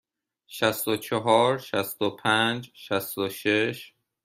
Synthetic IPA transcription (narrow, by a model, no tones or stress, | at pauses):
ʃæst̪ot͡ʃʰeɦɒːɾʃæst̪opʰænd͡ʒʃæst̪oʃeʃ